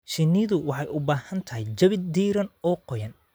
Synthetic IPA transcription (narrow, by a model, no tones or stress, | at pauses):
ʃɪnːɪðʊwɑħɑjʔʊbaːhɐnt̪ʰɐɦɛjt͡ʃɐβɪd̪iːɾɐnɔːqɔjɐn